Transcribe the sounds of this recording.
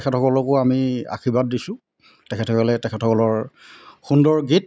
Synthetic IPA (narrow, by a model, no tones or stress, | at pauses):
kʰɛtʰɔkɔlɔkʊamia̰kʰibat̚disʊ̃ | tɛkʰɛtʰɔkɔlɛtɛkʰɛtʰɔkɔlɔɹxundɔɹɡit̚